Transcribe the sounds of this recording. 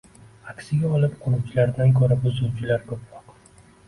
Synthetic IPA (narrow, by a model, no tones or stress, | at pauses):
akʲsɪɡʲaɒlˠɪpqʰoɾʊwt͡ʃʰɪlaɾd̪ankʰoɾabʊzʊwt͡ʃʰɪlaɾkʰɵpʰɾɒq